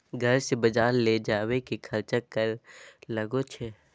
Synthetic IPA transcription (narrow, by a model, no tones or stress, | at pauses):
ɡʱɐɾsebɐd͡ʒaːɾled͡ʒaːwekikʰɐɾt͡ʃəkːəɾlɐɡot͡ʃʰe